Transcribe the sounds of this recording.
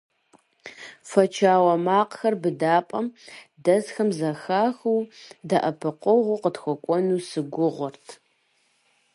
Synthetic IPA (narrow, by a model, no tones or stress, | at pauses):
fɐt͡ʃʰaːwɐmaːqxɐrbɨdaːpʼɐmdɐzxɐmzɐxaːxuwdɐʔɐpʰɨqʷɔʁʷʊqətxʷɔkʷʼɔnuːsɨɡʷʊʁʷɔrtʰ